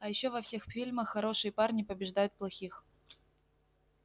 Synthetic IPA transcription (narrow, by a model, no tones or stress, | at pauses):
ɐjɪɕːovɐfsʲe̞xfʲilʲməxːɐɾo̞ʂɨjəparnʲɪpəbʲɪʐd̪ajʊt̪̚plˠɐxʲix